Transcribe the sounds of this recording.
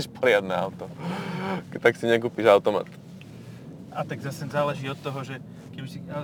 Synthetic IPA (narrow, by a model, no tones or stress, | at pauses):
ʃpɔɾɪad̪nɛaʊt̪ɔ | t̪aksiɲɛkuːpiʒaʊt̪ɔma̰ːt̪ | ʔat̪aɡzasɛzaːlɛʒiːɔt̪ːɔɦɔʒɛ | kɛbisia